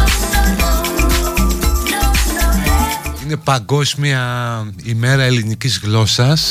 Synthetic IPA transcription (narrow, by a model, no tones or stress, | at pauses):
ine̞pɐɡo̞zmiɐ | ime̞ɾɐe̞linicizɣlo̞sɐs